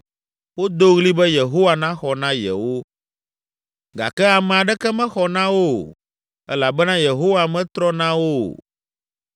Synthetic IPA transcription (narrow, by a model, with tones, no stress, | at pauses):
wo˦d̪o˦ɣli˦bɛ˦je˨ɦo˦wa˨nã˦xɔ˨nã˦jɛ̰˨wo˦ | ɡa̰˨kɛ˦a˨mɛ̃˨a˨ɖɛ˦kɛ˦mɛ̃˦xɔ˨nã˦wo˦ | ɛ̰˦la˨bɛ˦nã˦je˨ɦo˦wa˨mɛ̃˦t̪ɾɔ˦nã˦wo˦